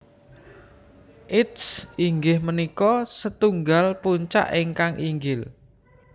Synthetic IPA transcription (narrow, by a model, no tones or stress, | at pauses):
ʔɪtsiŋɡɪhmənikɔsət̪uŋɡalpuɲt͡ʃa̰ʔeŋkaŋʔiŋɡɪl